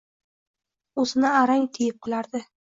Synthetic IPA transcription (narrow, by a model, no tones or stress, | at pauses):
ozɪnɪaɾaŋt̪ʰɪjɪp̚qʰɨlˠaɾd̪ɪ